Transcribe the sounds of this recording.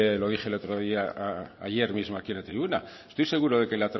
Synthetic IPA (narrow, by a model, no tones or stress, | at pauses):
eloðiʝelet̪ɾoðiaa̰je̞ɾmizmoakielet̪ɾiβuna̰est̪ojse̞ɣuɾoðekelat̪ɾ